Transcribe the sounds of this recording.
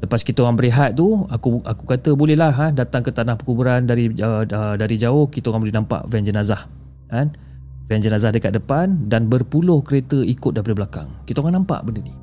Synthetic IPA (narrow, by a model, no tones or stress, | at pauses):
ləpaskit̪əoŋaŋbəɾiɦat̪̚t̪uakuʔakukat̪əbolɛhlaɦadat̪aŋkət̪anahpəkubuɾandaɾiəədaɾid͡ʒaʊhkit̪əoŋaŋbolɛnampa̰ʔvɛnd͡ʒənazah | kan | vɛnd͡ʒənazahdəkat̪̚dəpandanbərpulʊhkəɾet̪əikʊt̪̚dapadəblaka̰ŋkit̪əoŋaŋnampa̰ʔbəndəni